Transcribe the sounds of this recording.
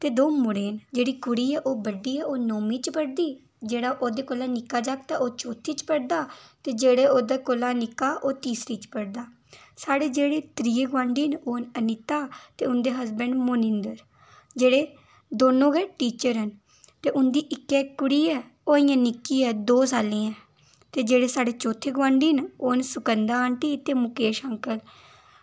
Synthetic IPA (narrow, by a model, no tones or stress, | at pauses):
t̪eːd̪oːmʊɽeːnd͡ʒeːɽiːkʊɽiːɛːʔoːbəɖiːɛːoːnoːmiːt͡ʃpəɽd̪iː | d͡ʒeːɽaːʔoːd̪eːkolaːnɪkːaːd͡ʒaːkt̪aːʔoːt͡ʃoːt̪ʰiːt͡ʃpəɽd̪aːt̪eːd͡ʒeːɽeːoːd̪aːkolaːnɪkːaːʔoːt̪iːsɾiːt͡ʃpəɽd̪aː | saːɽeːd͡ʒeːɽeːt̪ɾiːeɡwãːɳɖiːnʔoːnənɪt̪aːt̪eːʊnd̪eːɦəzbəɳɖmoːnɪ̃nd̪əɾ | d͡ʒeːɽeː | d̪oːnõːɡɛːʈiːt͡ʃəɾɦən | t̪eːʊnd̪iːʔɪkːɛːkʊɽiːɛː | oːɪjãːnɪkːiːɛːd̪oːs̬aːlĩːɛ̃ː | t̪eːd͡ʒeːɽeːsaːɽeːt͡ʃoːt̪ʰeːɡʋãːɳɖiːnoːnsʊkənd̪aːãːɳʈiːt̪eːmʊkeːʃəŋkəl